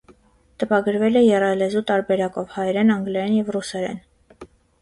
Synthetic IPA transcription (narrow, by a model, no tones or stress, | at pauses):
t̪əpɑɡəɾvɛlɛjɛrɑlɛzut̪ɑɾbɛɾɑkɔvhɑjɛɾɛnɑŋɡlɛɾɛnjɛvrusɛɾɛ̰n